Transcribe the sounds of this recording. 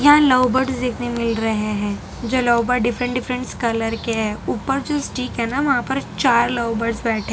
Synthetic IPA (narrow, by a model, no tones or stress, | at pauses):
jɐɦãlɐːbəɾsd̪ɪknemɪlɾɐɦeɦɛ̃ː | d͡ʒoːlɐːbəɾɖɪfɾə̃ɳʈɖɪfɾə̃ɳʈskɐləɾkeɦɛːuːpːəɾd͡ʒosʈiːkɦɛnaʋɐɦãpɐɾt͡ʃaːɾlɐʊbəɾsbɛːʈʰẽː